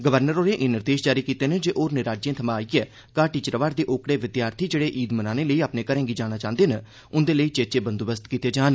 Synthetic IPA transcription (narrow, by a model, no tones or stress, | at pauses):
ɡəʋəɾnəɾoːnẽːʔɪːnɪɾd̪eːʃd͡ʒaːɾiːkiːt̪eːned͡ʒeːʔoːɾnɪɾaːd͡ʒẽːt̪ʰəmãːaːiɛː | kaːʈiːt͡ʃɾəʋaːɾd̪eːʔoːkɽeːʋɪd̪ɪjaːɾt̪ʰiːd͡ʒeːɽeːʔiːd̪mənaːneːləiːaːpneːkəɾɛ̃ːŋɡiːd͡ʒaːñaːt͡ʃãːnd̪eːne | ʊnd̪eːləiːt͡ʃeːt͡ʃeːbənd̪obəst̪kiːt̪eːd͡ʒaːn